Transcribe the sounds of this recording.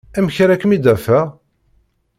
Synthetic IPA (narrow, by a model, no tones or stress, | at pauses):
æmçɾækːəmid̪æfæ